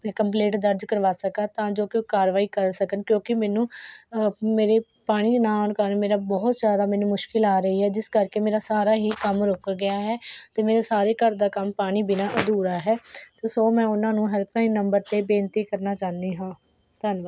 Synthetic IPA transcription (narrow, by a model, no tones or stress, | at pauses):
kəmp̬leːʈd̪əɾd͡ʒkəɾʋaːsəkaːt̪ãːd͡ʒoːkːkaːɾʋaːiːkəɾsəkənkjõːkɪmɛːnũː | meːɾeː | paːɽ̃iːnãːonkəɾnmeːɾaːbɔːt̪d͡ʒjaːd̪aːmɛ̃ːnũːmʊʃkɪlaːɾəɦiːɦɛːd͡ʒɪskəɾkeːmeːɾaːsaːɾaːɦiːkəmɾʊkɡɪjaːɦɛːt̪eːmeːɾaːsaːɾeːkəɾd̪aːkəmpaːɽ̃iːbɪnaːʔəd̪uːɾaːɦɛːt̪oːsoːmɛ̃ːʊnãːnũːɦəɾkaːĩːnəmbəɾt̪eːbeːnt̪iːkəɾnaːt͡ʃaːnd̪iːɦãː | t̪ənʋa